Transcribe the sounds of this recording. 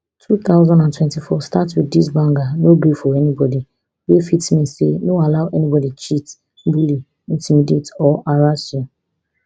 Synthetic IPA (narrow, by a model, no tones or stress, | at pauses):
tʰuθaʊzɔ̃ndãntwɛ̃ntifɔstatwiddisbãŋɡanobefɔɹɛnibɔdi | wefitmĩsḛnoalaʊʔɛnibɔdit͡ʃit | bili | ĩntʰimidetɔʔaɾasi